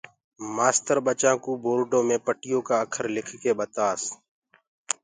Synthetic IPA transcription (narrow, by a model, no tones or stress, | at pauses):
maːst̪əɾɓət͡ʃãːkuːbʱoːɾɖõːmẽːpəʈɪjõːkaːəkʰəɾlɪkʰkeːɓət̪aːs